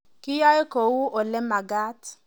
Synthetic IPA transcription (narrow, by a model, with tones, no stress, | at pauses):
ki˦ja˦je˦ko˨wu˦ʔo˨lɛ˦ma˨ɡa˦t